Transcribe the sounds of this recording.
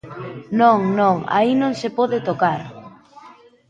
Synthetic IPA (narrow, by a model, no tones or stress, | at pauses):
nõŋnõŋa̰inõŋsepɔðɪt̪okaɾ